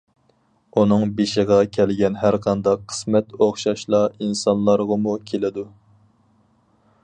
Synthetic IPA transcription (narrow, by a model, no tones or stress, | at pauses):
unɨŋbeʃəʁɑkʲʰɛlɡʲɛnɦæɾqʰɑnd̪ɑqʰːə̥smɛt̪oχʃɑʃlˠɑinsɑnlˠɑɾʁɑmukʲʰelɪd̪u